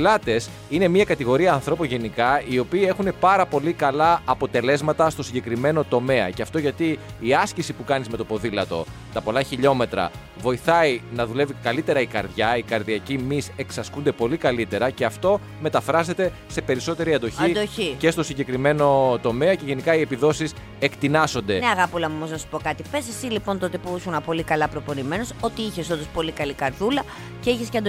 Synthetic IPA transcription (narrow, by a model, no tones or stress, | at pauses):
lɐt̪e̞s | ine̞miɐkɐt̪iɣo̞ɾiɐːnθɾo̞ponʝe̞nikɐio̞piːe̞xune̞pɐɾɐpo̞likɐlɐːpo̞t̪e̞le̞zmɐt̪ɐst̪o̞siɲɟekɾime̞no̞t̪o̞me̞ɐ̰ceɐft̪oʝɐt̪iːɐscisipukɐnizmet̪opo̞ðilɐt̪o̞̰ | t̪ɐpo̞lɐçiʎo̞me̞t̪ɾɐ̰ | vo̞iθɐinɐðule̞vikɐlit̪e̞ɾɐikɐ̰ɾðʝɐikɐɾðiɐcimise̞ksɐskund̪e̞po̞likɐlit̪e̞ɾɐceɐft̪o̞ | me̞t̪ɐfɾɐze̞t̪e̞ | se̞pe̞ɾiso̞t̪e̞ɾiɐnd̪o̞çid̪oçice̞st̪o̞siɲɟe̞kɾime̞no̞t̪o̞me̞ɐce̞ʝe̞nikɐiepiðo̞sis | ekt̪inɐso̞nd̪e̞neɐɣɐpolɐomoznɐsu̥po̞kɐt̪ipe̞sesilipo̞nt̪ot̪epusunɐpo̞likɐlɐpɾo̞po̞nime̞noso̞t̪iiçe̞sond̪ospo̞likɐlikɐɾðulɐ | ce̞içesceɐnd̪o